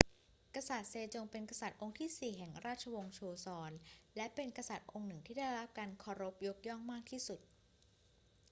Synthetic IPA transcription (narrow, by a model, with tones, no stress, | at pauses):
kɾa˧sa˨˩t̪̚seː˧t͡ɕo˧ŋpe˧nka˧sa˨˩t̪̚ʔo˧ŋt̪ʰiː˥˩siː˨˩ɦɛ˨˩ŋɾaː˥˩t̪̚t͡ɕʰa˧wo˧ŋt͡ɕʰoː˧sɔː˧nlɛ˦˥ʔpe˧nka˧sa˨˩t̪̚ʔo˧ŋnɯ˨˩ŋt̪ʰiː˥˩aː˥˩jɾa˦˥p̚ka˧nkʰɔː˧ɾo˦˥p̚jo˦˥k̚jɔ˥˩ŋmaː˥˩k̚t̪ʰiː˥˩su˨˩t̪̚